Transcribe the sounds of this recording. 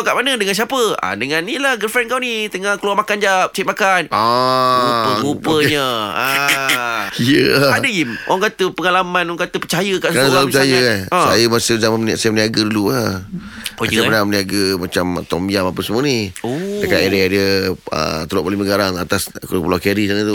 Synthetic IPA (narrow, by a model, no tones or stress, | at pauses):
kaʔmanədəŋansiapəa̰dəŋãnːilahɡəlfɛnkawnit̪əŋahkluamakand͡ʒap̚t͡ʃit̪̚makanauəɡupəɲəa | ijəadəimaŋkat̪əpəŋalamãnɔŋkat̪əpət͡ʃajəkaʔsəkɾanapt͡ʃajəkanãsajəmasəzamanməaʔsajəmniaɡədulua | oaanamniaɡəmat͡ʃamt̪ɔmiamapəsəmũəniodəkaʔeɾiadiəə̰t̪əloʔpaliməɡaɾaŋat̪askuɾupəlakəɾisanət̪u